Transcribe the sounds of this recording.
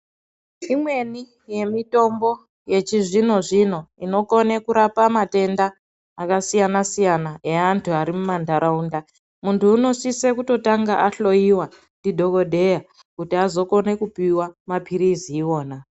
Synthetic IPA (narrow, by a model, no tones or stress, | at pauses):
imwe̞ni | je̞mito̞mbo̞ | je̞t͡ʃiʐino̞ʐin̤o̞ino̞ko̞ne̞kuɾapamate̞ndaː | kasijanasijanaeantʰuaɾimumandʱaɾaunda | muntʰuːno̞sisekuto̞taŋɡaʔaɬo̞jiwa | ndidʱo̞ko̞dʱe̞ja | kutiazo̞ko̞ne̞kupiwamapʰiɾiziːwo̞ːna